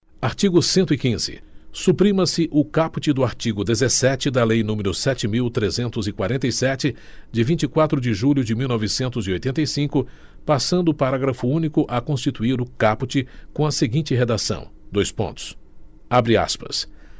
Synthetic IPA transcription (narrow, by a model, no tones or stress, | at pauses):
aɾt͡ʃiɡʊsẽnt̪ʊikĩzɪ̰supɾĩmɐsɪʔʊkapʊt͡ʃɪd̪ʊaɾt͡ʃiɡʊd̪ezesɛt͡ʃɪd̪ɐlejnũmɪɾʊsɛt͡ʃɪmiwt̪ɾezẽnt̪ʊzɪkwaɾẽnt̪̬ɐjsɛt͡ʃɪ | d͡ʒɪvĩnt͡ʃɪkwat̪ɾʊd͡ʒɪʒuʎjʊd͡ʒɪmiwnɔvɪsẽnt̪ʊziojt̪ẽnt̪ɐjsĩkʊ | pasɐ̃nd̪ʊːpaɾaɡɾɐfʊũnikʊʔɐkõst͡ʃit̪uiɾʊkaput͡ʃɪkõɐseɡĩnt͡ʃɪɦed̪asɐ̰̃w̃d̪ojspõ̰nt̪ʊ̥s | abɾɪa̰spɐ̰s